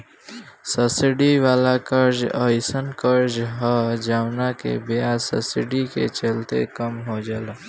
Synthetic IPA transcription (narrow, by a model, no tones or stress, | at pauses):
səsɪɖiʋaːlakəɾd͡ʒəɪsənkəɾd͡ʒɦəd͡ʒaːʋnakḛbijasə̰sɪɖikḛt͡ʃəlt̪ḛkəmɦod͡ʒala